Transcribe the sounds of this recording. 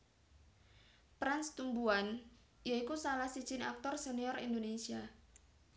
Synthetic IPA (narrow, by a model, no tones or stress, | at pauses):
pɾanst̪umbuan | jaikusalahsi̥ʒ̥ɪna̰k̚t̪ɔrseniɔrḭnd̪onesia